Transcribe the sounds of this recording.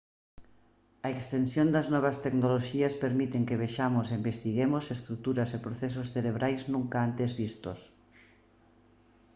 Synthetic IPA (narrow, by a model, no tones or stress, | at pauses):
ɐekst̪ensjond̪ɐznɔβ̞ɐst̪eknoloʃiɐspeɾmit̪eŋkeβeʃamos̬eimbest̪iɣemosest̪ɾut̪uɾɐsepɾoθes̬osθeɾeβɾʔajznũŋkaant̪ezβist̪os